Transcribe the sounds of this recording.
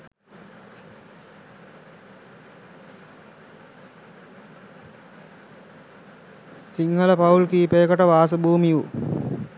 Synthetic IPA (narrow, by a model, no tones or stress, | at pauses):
siŋhələpɐulkiːpeːkəʈəʋaːs̬əbuːmiju